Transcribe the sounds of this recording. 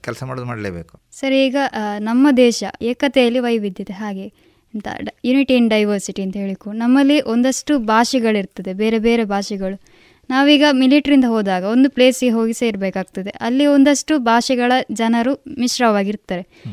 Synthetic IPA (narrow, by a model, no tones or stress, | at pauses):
kɛlsɐmaːɽoːd̪maːɽleːbeːku̥ | sɐɾiːɡɐnɐmːɐd̪ɛːʃɐ̰eːkɐt̪ɛjɐlːiʋɐjʋid̪ʱjɐt̪eɦaːɡe̞ | ɐnt̪ɐ̰juniʈinɖɐjʋɐɾsiʈiɐnt̪ɐɦe̞ːɭikːunɐmːɐlːiʔo̞nd̪ɐʂʈubʱaːʃɛɡɐɭiɾt̪ɐd̪e̞beːɾebeːɾe̞bʱaːʃɛɡɐɭu | naːʋuiːɡɐmiliʈɐɾind̪ɐɦoːd̪aːɡɐo̞nd̪uple̞ːsɡeɦo̞ːɡiseiɾbeːkaːɡ̚t̪ɐd̪e̞ʔɐlːio̞nd̪ɐʂʈubʱaːʃɛɡɐɭɐd͡ʒɐnɐɾumiʃɾɐʋaːɡiɾt̪ːaːɾe̞